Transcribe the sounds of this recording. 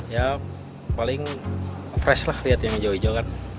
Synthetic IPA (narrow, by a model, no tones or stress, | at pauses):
ja | palɪŋ | pɾɛslahliɦat̪̚jaŋməd͡ʒoid͡ʒokan